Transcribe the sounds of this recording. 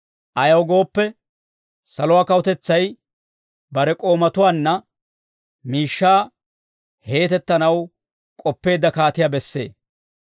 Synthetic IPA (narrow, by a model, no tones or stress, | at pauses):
ʔɐjɐwɡo̞ːpːɛ | sɐlʊwaːkɐwʊt̪ɛt͡sːɐj | bɐɾɛkʼo̞ːmɐt̪ʊwaːnːɐ | miːʃːaː | he̞ːt̪ɛt̪ːɐnɐw | kʼɔpːe̞ːd̪ːɐkaːt̪ɪjabɛsːe̞̰ː